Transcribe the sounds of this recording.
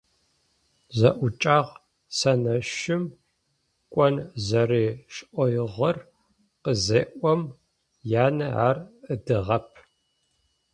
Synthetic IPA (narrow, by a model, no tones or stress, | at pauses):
zɐʔʷʊt͡ʃʼaːʁ | sɐnɐʃɪm | kʷʼɔnzɐriːʃʔʷɔjɪʁɐr | qəzeːʔʷɔm | jaːnɐʕa̰ːrədɨʁɐpʰ